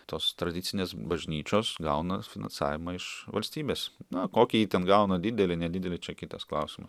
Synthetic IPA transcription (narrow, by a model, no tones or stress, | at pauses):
t̪oːst̪ɾɐdʲɪt̪sʲɪnʲeːsbɐʒʲnʲiːt͡ʃʲoːsɡɐʊnɐfʲɪnɐ̰nsɑ̰ːʋʲɪmɐɪʃʋɐlʲsʲt̪ʲiːbʲeːsnɐkoːkʲiːit̪ʲɛnɡɐʊnɐd̪ʲɪd̪ʲɛlʲɪnʲɛd̪ʲɪd̪ʲɛlʲɪt͡ʃʲɛkʲɪt̪ɐsklˠɐʊsʲɪmɐs